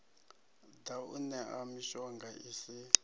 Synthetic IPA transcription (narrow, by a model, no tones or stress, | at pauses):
d̪aṵnɛʔamiʃɔŋɡaʔisi